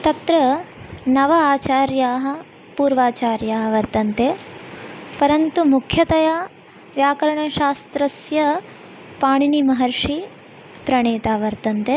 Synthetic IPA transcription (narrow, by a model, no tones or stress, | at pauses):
t̪ɐt̪ɾɐnɐʋɐaːt͡ʃaːɾjaːɦɐ | puːɾʋaːt͡ʃaːɾjaːɦɐʋɐɾt̪ɐnt̪e | pɐɾɐnt̪umukʰjɐt̪ɐja | ʋjaːkɐɾɐɳɐʃaːst̪ɾɐsjɐ | paːɳinimɐɦɐɾʂi | pɾɐɳeːt̪aːʋɐɾt̪ɐnt̪e